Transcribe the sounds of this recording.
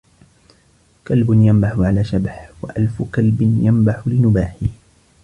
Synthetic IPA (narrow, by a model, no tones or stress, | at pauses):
kalbʊnjambaħʊʕalaːʃabħwaʔalfʊkalbɪnjambaħʊlɪnʊbaːħɪ